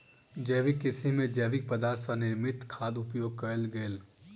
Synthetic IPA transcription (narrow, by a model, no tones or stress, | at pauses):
d͡ʒɛːʋɪkːɪɾsimẽd͡ʒɛːʋɪk̚pəd̪aːɾt̪ʰsanɪɾmɪt̪kʰaːd̪ʊpjoːɡ̚kɐlɡəl